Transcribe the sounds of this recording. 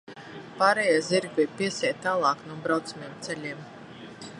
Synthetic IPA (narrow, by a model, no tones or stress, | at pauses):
paɾɛjaziɾɡvʲipiɛsʲɛːjt̪aːlˠɑːknuɔbɾawt̪sumʲiɛmt̪sɛʎʲiɛm